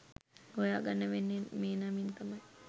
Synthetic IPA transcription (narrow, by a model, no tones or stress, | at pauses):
ɡojaːɡanːəʋenːenmeːnamint̪amaj